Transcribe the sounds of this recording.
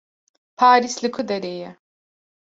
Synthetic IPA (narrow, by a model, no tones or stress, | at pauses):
pʰaːɾislɨkʰud̪ɐɾejɛ